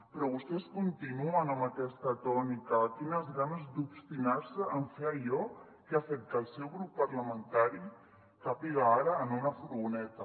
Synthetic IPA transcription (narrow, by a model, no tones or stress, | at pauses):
pɾɔβust̪eskunt̪inuanamat̪est̪at̪ɔnikakinazɣanazd̪ubst̪inaɾseaɱfeaʎɔ | keafɛk̚t̪alsɛwɣɾupːaɾlamẽnt̪aɾi | kapiɣaaɾaːnunafuɾβunet̪a